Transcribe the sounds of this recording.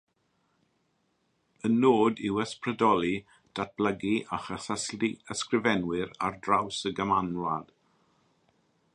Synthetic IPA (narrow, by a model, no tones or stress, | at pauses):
ənːoːdɪwəsprədɔlˠi | d̥at̚b̥ləɡiʔaχasəsliəskrɪvɛnwɪɾa̰rdrawsəɡəmanwad̥